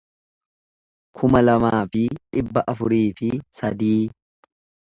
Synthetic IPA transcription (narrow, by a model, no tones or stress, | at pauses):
kʰʊmɐlɐmaːfɪᶑɪbːɐʔɐfʊɾiːfɪsɐd̪iː